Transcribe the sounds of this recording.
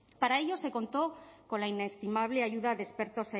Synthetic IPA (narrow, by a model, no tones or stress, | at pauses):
paɾaeʎo̞se̞ko̞nt̪oko̞laine̞st̪imaβ̞leaʝuðaðespeɾt̪o̞se